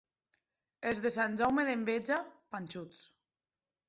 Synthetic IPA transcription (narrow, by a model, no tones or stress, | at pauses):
ezðesanʲd͡ʒawmeðembed͡ʒapanʲt͡ʃut͡s